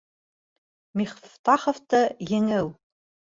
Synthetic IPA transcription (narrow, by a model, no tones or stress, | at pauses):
miχft̪ɑχŏft̪ɤjɘ̆ŋɘw